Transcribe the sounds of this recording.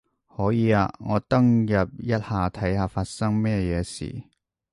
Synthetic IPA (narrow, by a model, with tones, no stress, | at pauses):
hɔː˨˥jiː˨˧a̰ː˧ŋɔː˨˧t̪ɐ˥ŋjɐ˨p̚jɐ˥t̚haː˨t̪ʰɐ˨˥jhaː˨˧faː˧t̚sɐ˥ŋmɛː˥˧jɛː˨˧sḭː˨˩